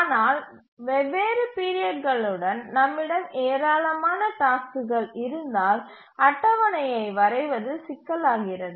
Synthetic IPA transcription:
aːnaːl | ʋɛʋeːɾɯpiːɾɪjɐʈ̚ɣɐɭɯɽɐnnɐmːɪɽɐmeːɾaːlɐmaːnɐʈaːskɯɣɐɭɪɾɯnd̪aːl | ɐʈːɐʋɐnɐjɐɪʋɐɾɐɪʋɐðɯsɪkːɐlaːɣɪrɐðɯ

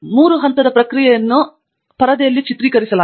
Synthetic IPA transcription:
muːɾuɦɐnt̪ɐd̪ɐpɾɐkɾijɛjɐnːu | pɐɾɐd̪ɐjɐlːit͡ʃit̪ɾiːkɐɾisɐlaː

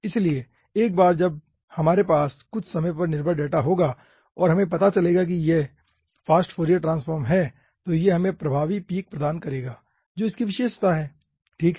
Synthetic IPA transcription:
ɪslie | eːk̚baːɾd͡ʒɐb̚ | hɐmaːɾepaːskʊt͡ʃʰsɐməpɐɾnɪɾbʱəɾɖeːʈaɦoːɡaː | ɔːɾɦɐmẽpɐt̪at͡ʃɐleːɡak̬ije | faːsʈfoːɾijəɾʈɾãːnsfəːɾmɦɛː | t̪oːjeɦɐmẽpɾɐbʱaːʋipiːk̚pɾɐd̪aːnkɐɾeːɡaː | d͡ʒoːɪskiʋɪʃeːʃət̪ʰaɦɛː | ʈʰiːkɦ

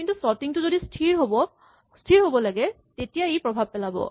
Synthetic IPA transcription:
kint̪usɔɹt̪iŋtuzodisʈʰiɹɦobɔ | sʈʰiɹɦobɔlaɡɛ | t̪etijaejpɹɔbʱab̚pɛlabɔ̰

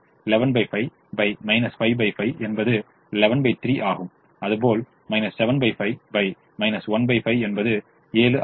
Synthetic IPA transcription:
lɛʋɐnbɐɪfɐɪ | bɐɪmɐɪnɐsfɐɪbɐɪfɐɪʔɛnbɐðɯ | lɛʋɐnbɐɪt̪ɾiːʔaːɣɯm | ɐðɯpoːl | mɐɪnɐsːɛʋɐnbɐɪfɐɪbɐɪ | mɐɪnɐsʋɐnbɐɪfɐɪɛnbɐðɯ | eːlɯʔ

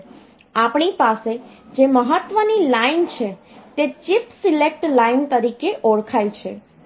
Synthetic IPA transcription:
apɳipase | d͡ʒeməɦət̪ːʋənilaint͡ʃʰe | t̪et͡ʃipsilek̚ʈlaint̪əɾikeʔɔɽkʰajt͡ʃʰḛ

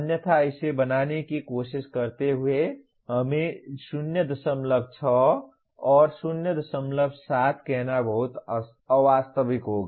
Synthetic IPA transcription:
ənjət̪ʰaəɪsebənanekikosiskəɾt̪eɦue | ɦəmesunjəd̪əsəmləɡ̚t͡ʃʰɔ | ɔːɾsunjəd̪əsəmləbʱsat̪ʰkeɦnabəɦut̪ | əʋast̪əbikɦoɡe

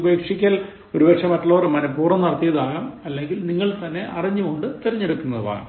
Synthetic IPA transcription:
beːkʂikʲːɐl | o̞ɾubɐʂɐmɐtːɐɭoːrmɐnɐpːuːrɐmnɐrɐt̪ːijɐðaːɣɐmɐlːe̞ŋɡilniŋːɐɭt̪ɐnːe̞ʔɐriɲːuɣoɳɖɨt̪iɾɐɲːeɽukːunːɐðɨba̰ːɣɐ̰m

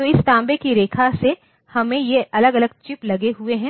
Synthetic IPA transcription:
t̪oɪst̪ãːmbekiɾeːkʰase | hɐmẽjeʔɐləɡɐləɡ̚t͡ʃɪplɐɡeɦueɦɛ̃ː

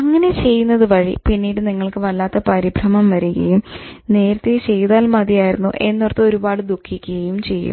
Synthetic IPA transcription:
ɐŋːɐne̞t͡ɕe̞jːunːɐðɨʋɐɻḭpinːiːɽɨniŋːɐɭkɨʋɐlːaːt̪ːɐpɐɾibʱrɐmɐmʋɐɾuɣɐ̰jumne̞ːɾɐt̪ːet͡ɕe̞jðaːlmɐðijaːjiɾunːṵʔe̞nːorɐt̪ːɨo̞ɾubaːɽɨd̪ukʰːikʲːuɣɐjumt͡ɕe̞jːṵmm

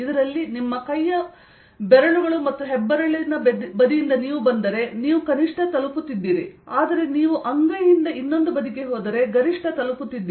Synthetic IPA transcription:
id̪ɐɾɐlːinimːɐkɐjːɐ | bɛɾɐɳuɡɐɭumɐt̪ːuɦɛbːɐɾɐɭenɐbɐd̪ijind̪ɐniːʋubɐnd̪ɐɾe̞niːʋukɐniʂʈɐt̪ɐluput̪ːid̪ːiːɾiaːd̪ɐɾe̞niːʋuʔɐŋɡɐjind̪ɐʔinːo̞nd̪ubɐd̪ikeɦɔːd̪ɐɾe̞ɡɐɾiʂʈʰɐt̪ɐluput̪ːid̪ːiː

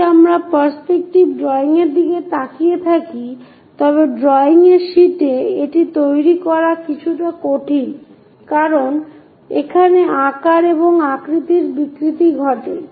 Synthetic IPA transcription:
amɾapaɾspek̚ʈibɖɾɔeiŋeɾd̪iɡet̪akijet̪ʰaki | t̪ɔβeɖɾɔiŋeɾʃiʈeeʈit̪ojɾikɔɾakit͡ɕʰuʈakoʈʰin | kaɾon | ḛkʰaneakaɾeβoŋakɾit̪iɾbikɾit̪iɡʱɔʈe

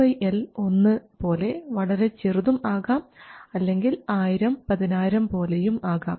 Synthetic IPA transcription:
ɐjʔelo̞nːɨpo̞ːle̞ʋɐɭɐɾe̞t͡ɕiruðumaːɣaːmɐlːe̞ŋɡilaːjiɾɐmpɐðinaːjiɾɐmpo̞ːle̞jumaːɣaːm

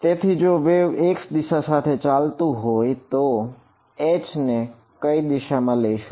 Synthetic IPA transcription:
t̪et̪ʰid͡ʒoʋeeksd̪iʃasat̪ʰet͡ʃalt̪ũɦojt̪o | et͡ʃne | kəid̪iʃamãləiʃũ

